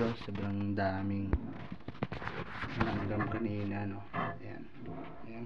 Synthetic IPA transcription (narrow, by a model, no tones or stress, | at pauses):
osɐbɾaŋd̪aːmiŋ | mɐnaŋɡamkɐninanoja̰n | ja